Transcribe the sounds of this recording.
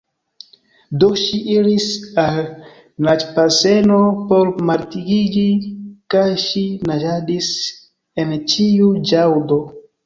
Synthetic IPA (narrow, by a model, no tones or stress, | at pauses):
doʃiʔiɾisal | nat͡ʃpase̞nopo̞ɾmaɾtiɡid͡ʒikajʃinad͡ʒadis | e̞nt͡ʃiud͡ʒawdo